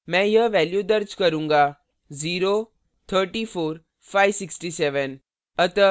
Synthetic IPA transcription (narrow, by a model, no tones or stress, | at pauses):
mɛ̃jəʋæljud̪əɾd͡ʑkəɾũŋɡa | d͡ziɾo | t̪ʰəɾʈifoɾ | fajʋsiksʈiseʋən | ət̪ə